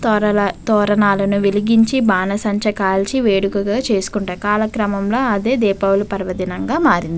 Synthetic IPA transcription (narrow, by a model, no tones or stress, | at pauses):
t̪ːɐt̪ɔːɾɐnaːlɐnuʋiliɡiɲt͡ʃibaːnɐsɐɲt͡ʃɐkaːlt͡ʃiʋeːɽukuɡaːt͡ʃe̞ːsu̥kuɳʈaːjkaːlɐkɾɐmɐmlo̞ːɐd̪e̞ːd̪ɛːpɐwulupɐɾʋɐd̪inɐŋɡaːmaːɾind̪i